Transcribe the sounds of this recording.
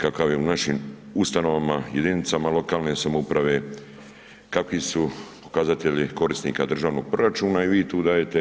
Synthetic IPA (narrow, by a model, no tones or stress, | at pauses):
kakaʋje̞unaʃimust̪ano̞ʋamaje̞d̪init̪samalo̞kaːlne̞samoupɾaʋe̞ | kakʋisupo̞kazat̪e̞ʎiko̞ɾisnḭːkad̪r̩ʒaːʋno̞ɡ̚pɾo̞ɾat͡ʃuːnaiʋiːt̪uːd̪aːje̞t̪e̞